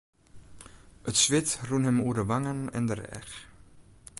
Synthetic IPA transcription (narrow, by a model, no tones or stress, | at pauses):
ətsʋɪtrunɦɛmuːərdəʋaŋənɛ̰ndərɛ̰x